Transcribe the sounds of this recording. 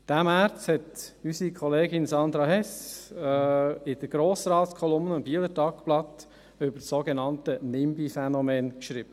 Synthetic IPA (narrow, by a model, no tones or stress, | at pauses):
d̥æmæːɾt͡sthɛtysikʰχɔleːɡɪnsɑnd̪ɾɑhɛs | ɪd̥əɾɡ̥ɾoːsɾɑːtskʰɔlʊmnəʊnbiːlətɑkplɑt̪ | ʏbəɾsːoɡɛnɑntənɪmbifɛnɔmɛːnkʃɾiːb̥ə